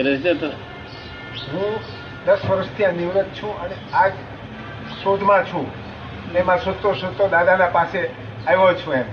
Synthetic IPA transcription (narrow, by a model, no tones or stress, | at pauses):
ɾesd͡ʒet̪o | ɦũ | d̪əsʋəɾəst̪ʰiãniʋɾət̪̚t͡ʃʰũənead͡ʒ | sod̪ʱmãt͡ʃʰũ | nemãsot̪ːosot̪ːod̪ad̪anapase | aʋõt͡ʃʰũem